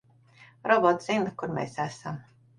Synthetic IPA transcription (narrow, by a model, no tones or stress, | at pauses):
ɾɔbɔt̪zinakuɾmʲḛːsæsam